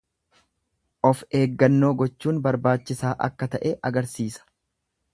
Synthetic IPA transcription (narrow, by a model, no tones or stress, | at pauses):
ʔɔfe̞ːɡːɐnːo̞ːɡɔt͡ʃːuːnbɐɾbaːt͡ʃːɪsaːʔɐ̰kːɐt̪ɐʔeːʔɐɡɐɾsiːsɐ̥